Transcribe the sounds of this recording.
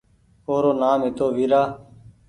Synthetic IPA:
oːɾoːnaːmɦɪt̪oːʋiːɾaː

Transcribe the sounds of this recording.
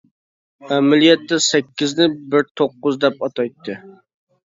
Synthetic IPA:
æmɪlijɛt̪ːɛsɛkʲːɪznɪbɪɾt̪ʰoqːʊzd̪ɛp̚ɑt̪ʰɑjt̪ʰːɨ

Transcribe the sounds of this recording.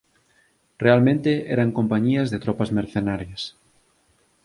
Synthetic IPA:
realmẽnt̪eɛɾaŋkompaɲiɐzðet̪ɾɔpɐzmeɾθenaɾjɐs

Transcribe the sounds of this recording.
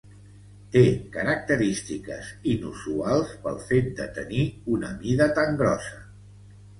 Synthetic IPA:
t̪ekəɾək̚t̪əɾist̪ikə̰zinṵsualˠspə̰lˠfet̪̚d̪ə̰t̪əniunə̰miðət̪aŋɡɾɔsə

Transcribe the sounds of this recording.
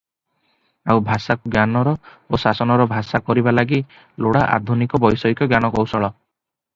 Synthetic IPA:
awbʱasakuɡjanɔɾɔosasɔnɔɾɔbʱasakɔɾibalaɡi | loɽaʔa̰d̪ʱunikɔbɔjsɔikɔɡjanɔkɔwsɔɭɔ

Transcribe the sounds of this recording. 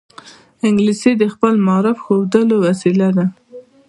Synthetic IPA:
ɪŋɡlised̪əxpəlmɑɾɪfxowd̪əlowasilad̪a

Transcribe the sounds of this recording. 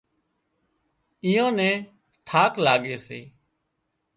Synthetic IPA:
ɪːjõːnɛ̃ː | t̪ʰaːklaːɠeːseː

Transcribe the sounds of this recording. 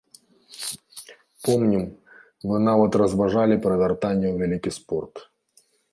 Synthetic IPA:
pomnʲim | vɨnavɐt̪rɐzvɐʐalʲɪpɾɐd̪ʲɐrt̪anʲɪjuvʲɛlʲikʲispɔrt̪

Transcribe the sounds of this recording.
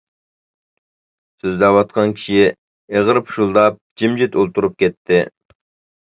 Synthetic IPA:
søzd̪ɛwɑt̪̚qʰɑnkʲʰi̥ʃi | eʁəɾɨpʰu̥ʃulˠd̪ɑp̚d͡ʒimd͡ʒit̪olˠt̪ʰuɾup̚kʲɛt̪ʰːɪ

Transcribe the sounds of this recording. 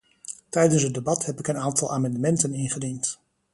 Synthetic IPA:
tɛjdənsədebɑthɛpɪkənaːntɑlˠʔaːmɑndəmɛntənɪnχədint

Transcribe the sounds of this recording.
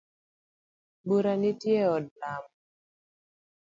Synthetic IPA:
buɾanitjeɔdnam

